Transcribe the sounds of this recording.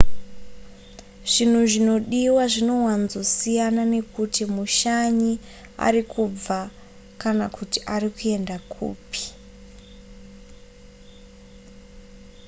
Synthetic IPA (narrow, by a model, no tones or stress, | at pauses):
ʐ̥in̤uʐino̞ɗiwaʐino̞wanzo̞sijanane̞kutimuʃaɲi | a̰rikʰub͡va | kanakutiʔarikue̞ndakʰṵːpi̥